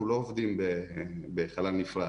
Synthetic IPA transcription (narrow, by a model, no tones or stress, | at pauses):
ulo̞ovd̪imbebeχalalnifʁa